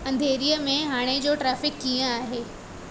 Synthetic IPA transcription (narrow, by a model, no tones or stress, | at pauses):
ɐ̃nd̪ʱeːɾijəmẽɦaːɽ̃ed͡ʑoːʈɾɛːfɪkːijə̃aːɦeː